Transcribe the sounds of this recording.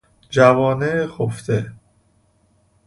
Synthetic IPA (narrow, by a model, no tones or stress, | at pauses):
d͡ʒævɒːnexoft̪e